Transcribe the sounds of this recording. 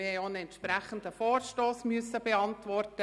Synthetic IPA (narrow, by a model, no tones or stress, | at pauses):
ɪhɛjoːənɛntʃpɾɛχəndəfoːɾʃtoːsmʏsəbeɑntʋɔrtə